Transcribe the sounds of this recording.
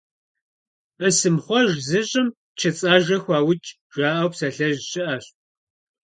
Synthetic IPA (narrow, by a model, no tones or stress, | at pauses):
ʔəsɨmχʷɔʒzɨɕʼɪm | t͡ʃʰɐt͡sʼaːʒɐxʷɑːwʊt͡ʃʼ | ʒ̥aːʔɐwpsɐɬɐʒɕɪʔɐɕ